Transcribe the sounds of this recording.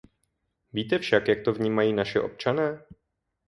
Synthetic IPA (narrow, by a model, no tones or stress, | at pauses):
viːt̪ɛfʃakjak̚t̪o̞vɲiːmajiːnaʃɪʔo̞̰p̚t͡ʃanɛː